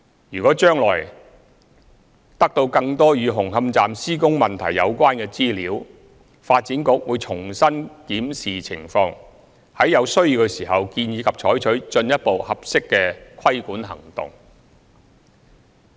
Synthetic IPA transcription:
jyː˨˩kɔː˨˥t͡ʃœː˥ŋlɔ̰ː˨˩j | t̪ɐ˥k̚t̪o˧wkɐ˧ŋt̪ɔː˥jyː˨˧ɦʊ˨˩ŋɦɐ˧mt͡saː˨msiː˥kʊ˥ŋmɐ˨nt̪ʰɐ˨˩jːɐ̰˨˧wkʷwaː˥nkɛː˧t͡siː˥liː˨˥w | faː˧t̚t͡siː˨˥nkʊ˨˧k̚wuː˨˧jt͡ʃʰʊ˨˩ŋsɐ˥nkiː˨˥msiː˨t͡sʰɪ̰˨˩ŋfɔː˧ŋ | hɐ˨˥jːɐ˨˧wsɵ˥ɥji˨˧wkɵ˧siː˨˩ɦɐ˨wkiː˧njiː˨˧kʰɐ˨p̚t͡ʃʰɔː˨˥jt͡ʃʰɵ˨˥ɥt͡ʃɵ˧njɐ˥t̚po˨whɐ˨p̚sɪ˥kːɛː˧kʰɐ˥jkuː˨˥nɦɐ̰˨˩ŋt̪ʊ̰˨ŋ

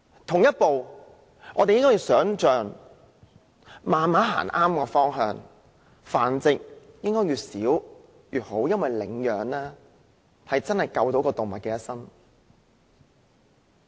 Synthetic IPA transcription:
t̪ʰʊ˨˩ŋjɐ˥t̚po˨w | ŋʔɔː˨˧te˨jɪ˥ŋkɔː˥jiː˧wsœː˨˥ŋt͡ʃœː˨ŋ | maː˨nmaː˨˥ɦa̰ː˨˩nʔaː˥mkɔː˧fɔː˥ŋɦœː˧ŋ | fa̰ː˨˩nt͡sɪ˨k̚ | jɪ˥ŋkɔː˥jyː˨siː˨˥w | jyː˨t̚ho˨˥wjɐ˥nwɐ˨jlɪ̰˨˥ŋjœː˨ŋlɛː˥ | hɐ˨jt͡sɐ˥nhɐ˨jkɐ˧wt̪o˨˥wkɔː˧t̪ʊ˨ŋmɐ̰˨t̚kɛː˧jɐ˥t̚sɐ˥ŋ

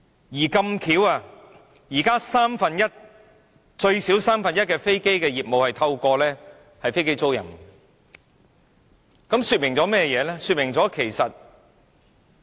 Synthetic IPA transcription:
jiː˨˩kɐ˧mkʰiː˨˥waː˧ | jiː˨˩kaː˥saː˥mfɐ˨njɐ˥t̚ | t͡ʃɵ˧ɥsiː˨˥wsaː˥mfɐ˨njɐ˥t̚kɛː˧fe˥jke˥jkɛː˧jiː˨t̚mo˨whɐ˨jt̪ʰɐ˧wkɔː˧lɛː˥ | hɐ˨jfe˥jke˥jt͡so˥wjɐ̰˨˩n | kɐ˨˥msyː˧t̚mɪ˨˩ŋt͡sɔː˨˥mɛː˥˩jɛː˨˧lɛː˥syː˧t̚mɪ˨˩ŋt͡sɔː˨˥kʰe˨˩jsɐ˨t̚

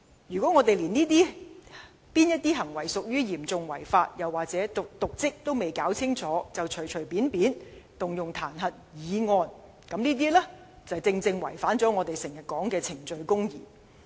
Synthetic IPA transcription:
jyː˨˩kʷɔː˨˥ŋɔː˨˧t̪e˨jliː˨˩niː˥t̪iː˥ | piː˥njɐ˥t̚t̪iː˥ɦɐ˨˩ŋwɐ˨˩jsʊ˨k̚jyː˥jiː˨˩mt͡sʊ˨ŋwɐ˨˩jfaː˧t̚jɐ˨˩waː˨k̚t͡sɛː˨˥t̪ʊ˨k̚t̪ʊ˨k̚t͡sɪ˥k̚t̪o˥wme˨˩jkaː˨˥wt͡sʰɪ˥ŋt͡sɔː˨˥t͡sɐ˨wt͡ʃʰɵ˨˩ɥt͡ʃʰɵ˨˩ɥpiː˨˥npiː˨˥nt̪ʊ˨ŋjʊ˨ŋt̪ʰaː˨˩nɦɐ˨t̚jiː˨˧˥ŋɔː˧n | kɐ˨˥mniː˥t̪̬iː˥lɛː˥ | t͡sɐ˨˩wt͡sɪ˧ŋt͡sɪ˧ŋwɐ̰˨˩jfaː˨˥nt͡sɔː˨˥ŋɔː˨˧t̪e˨˩jsɪ˨˩ŋjɐ˨t̚kɔː˨˥ŋkɛː˧t͡sʰɪ˨˩ŋt͡ʃɵ˨˧ɥkʊ˥ŋjiː˨

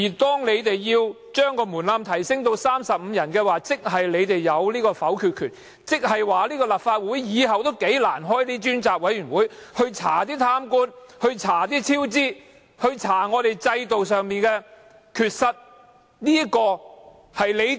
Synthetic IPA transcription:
jiː˨˩t̪ɔː˥ŋle˨˧jt̪e˨jːiː˧w | t͡ʃœː˥ŋkɔː˧muː˨˩nlaː˧mt̪ʰɐ˨˩jsɪ˥ŋt̪o˧wsaː˥msɐ˨p̚m̩˨˧jɐ˨˩nkɛː˧waː˨t͡sɪ˥k̚ɦɐ˨jle˨˧jt̪e˨jːɐ˨˧wliː˥kɔː˧fɐ˨˥wkʰyː˨t̚kʰyː˨˩t̚ | t͡sɪ˥k̚hɐ˨jwaː˨liː˥kɔː˧lɐ˨p̚faː˧t̚wuː˨˥jjiː˨˧ɦɐ˨wt̪o˥wke˨˥jlaː˨˩nɦɔː˥jliː˥t͡ʃyː˥nt͡saː˨k̚wɐ˨˧˥jyː˨˩nwuː˨˥jhɵ˧ɥt͡sʰa̰ː˨˩t̪iː˥t̪ʰaː˥mkuː˥n | hɵ˧ɥt͡sʰaː˨˩t̪̬iː˥t͡sʰiː˥wt͡siː˥ | hɵ˧ɥt͡sʰaː˨˩ŋɔː˨˧t̪e˨jt͡sɐ˧jt̪o˨wsœː˨ŋmiː˨nkɛː˧ | kʰyː˨t̚sɐ˧t̚ | niː˥kɔː˧ | hɐ˨jle˨˧j

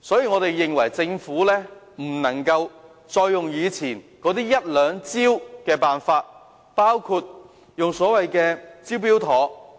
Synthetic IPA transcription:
sɔː˨˥jiː˨˧ŋɔː˨˧t̪e˨jːɪ˨ŋwɐ˨˩jt͡sɪ˧ŋfuː˨˥lɛː˥ | m̩˨˩nɐ˨˩ŋkɐ˧w | t͡ʃɔː˧jːʊ˨ŋjiː˨˧t͡sʰiː˨˩nkɔː˨˥t̪iː˥jɐ˥t̚lœː˨˧ŋt͡siː˥wkɛː˧paː˨nfaː˧t̚ | paː˥wkʰuː˧t̚ | jʊ˨ŋsɔː˨˥wɐ˨jkɛː˧t͡siː˥wpiː˥wt̪ʰɔː˨˥

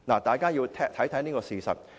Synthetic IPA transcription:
laː˨˩t̪aː˨˩jkaː˥jiː˧wt̪ʰɛː˥t̪ʰɐ˨˥jt̪ʰɐ˨˥jniː˥kɔː˧siː˨˧sɐ̰˨t̚

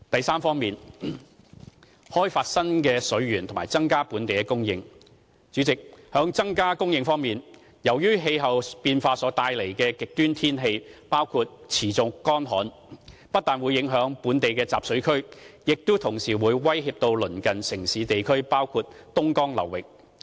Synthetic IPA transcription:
t̪ɐ˨jsaː˥mfɔː˥ŋmiː˨n | hɔː˥jfaː˧t̚sɐ˥nkɛː˧sɵ˨˥ɥɥyː˨˩nt̪ʰmaː˨˩jt͡sɐ˥ŋkaː˥puː˨˥nt̪e˨jkɛ˧˥kʊ˥ŋjɪ˧ŋ | t͡syː˨˥t͡sɪ˨k̚hœː˨˥ŋt͡sɐ˥ŋkaː˥kʊ˥ŋjɪ˧ŋfɔː˥ŋmiː˨n | jɐ˨˩wjyː˥ɦe˧jɦɐ˨wpiː˧nfaː˧sɔː˨˧˥t̪aː˧jle˨˩jkɛː˧kɪ˨k̚t̪yː˥nt̪ʰiː˥nɦe˧jpaː˥wkʰuː˧t̚t͡sʰiː˨˩t͡sʊ˧kɔː˥nɦɔː˨˥n | pɐ˥t̪̚aː˨˩nwu˨˧jːɪ˨˥ŋɦœː˨˥ŋpuː˨˥nt̪e˨jkɛː˧t͡sa̰ː˨p̚sɵ˨˥ɥkʰɵ˥ɥjɪ˨k̚t̪ʊ˥t̪ʰʊ˨˩ŋsiː˨˩wuː˨˧jwɐ˥jɦiː˧p̚t̪o˧wlɵ˨˩nkɐ˨nsɪ˨˩ŋsiː˨˥t̪e˨jkʰɵ˥ɥpaː˥wkʰuː˧t̚t̪ʊ˥ŋkɔː˥ŋlɐ̰˨˩wːɪ˨k̚

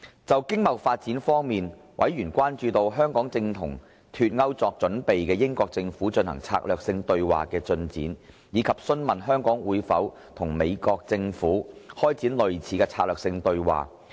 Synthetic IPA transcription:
t͡sɐ˨wkɪ˥ŋmɐ˨wfaː˧t̚t͡si˨˥nfɔː˥ŋmiː˨n | wʔɐ̰˨˥jɥyː˨˩nkʷaː˥nt͡ʃyː˧t̪o˧wɦœː˥ŋkɔː˨˥ŋt͡sɪ˧ŋt̪ʰʊ̰˨˩ŋ | t̪ʰyː˨t̚ŋɐ˥wt͡sɔː˨˧k̚t͡ʃɵ˨˥npe˨jkɛː˧jɪ˥ŋkɔː˧k̚t͡sɪ˧ŋfuː˨˥t͡ʃɵ˧nhɐ̰˨˩ŋt͡sʰa̰ː˧k̚lœː˨k̚sɪ˧ŋt̪ɵ˧ɥwa̰ː˨kɛː˧t͡ʃɵ˧nt͡sḭː˨˥n | jiː˨˧kʰɐ˨p̚sɵ˥nmɐ˨nɦœː˥ŋkɔː˨˥ŋwuː˨˧jfɐ̰˨˥w | t̪ʰʊ˨˩ŋme˨˧jkɔː˧k̚t͡sɪ˧ŋfuː˨˥hɔː˥jt͡siː˨˥nlɵ˨ɥt͡sʰiː˨˥kɛ˧t͡sʰaː˧lœː˨k̚sɪ˧ŋt̪ɵ˧ɥwa̰ː˨

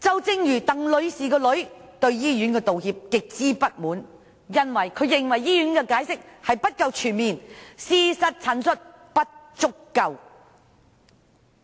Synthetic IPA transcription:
t͡sɐ˨wt͡sɪ˥ŋjyː˨˩t̪ɐ˨˩ŋlɵ˨˧ɥsiː˨kɔː˧lɵ˨˥ɥt̪ɵ˧ɥjiː˥jyː˨˥nkɛː˧t̪o˨whiː˧p̚kɪ˨k̚t͡siː˥pɐ˥t̚muː˨˥n | jɐ˥nwɐ˨˩jkʰɵ˨˧ɥjɪ˨ŋwɐ˨˩jːiː˥jyː˨˥nkɛː˧kaː˨˥jsɪ˥k̚hɐ˨jpɐ˥t̚kɐ˧wt͡ʃʰyː˨˩nmiː˨nsiː˧sɐ˨t̚t͡sʰɐ˨˥nsɵ˥t̚ | pɐ˥t̚t͡ʃʊ˥kːɐ˧w

